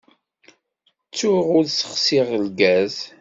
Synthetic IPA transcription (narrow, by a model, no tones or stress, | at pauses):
t͡sːʊʁʊɾsə̥χsiʁəlɡæz